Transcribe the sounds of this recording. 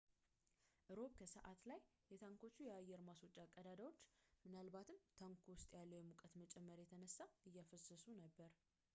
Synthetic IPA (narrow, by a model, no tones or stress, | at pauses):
ʔɨɾo̞βkʰəsəʔat̪laj | jɛt̪ʰaŋko̞t͡ʃːujɛajːɛɾmaso̞t͡ʃʼːakʼːəd̪ad̪əwo̞t͡ʃːmɨnalbat̪ʰɨmt̪ʰaŋkʰuwʊst̪ʼjalːəwjɛmukʼət̪mət͡ʃʼɛmːəɾjɛt̪ʰənəsːaɨjːafəsːəsunəbːəɾ